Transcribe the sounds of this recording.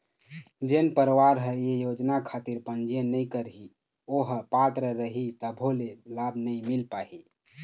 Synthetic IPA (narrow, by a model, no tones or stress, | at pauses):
d͡ʒenpəɾwaɾɦəjejod͡ʒnakʰat̪iɾpənd͡ʒijənəjkəɾɦi | oɦəpat̪ɾəɾəɦit̪əbʱolelabʱnəimilpaɦi